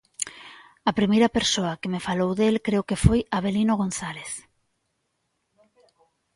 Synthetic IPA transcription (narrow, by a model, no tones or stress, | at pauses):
ɐpɾimejɾɐpeɾsoɐkemefalowðelkɾeokefojaβelinoɣ̞onθaleθ